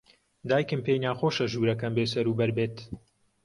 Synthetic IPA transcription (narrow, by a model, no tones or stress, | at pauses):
d̪aːjkɨmpeːjnaːxoːʃɐʒuːɾɐkɐnbeːsɐɾuːbɐɾbeːt̪